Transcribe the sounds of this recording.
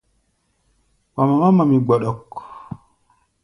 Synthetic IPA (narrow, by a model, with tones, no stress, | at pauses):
wa˨ma˨ma˦ma˨mi˨ɡ͡bɔ˨ɗɔ˨k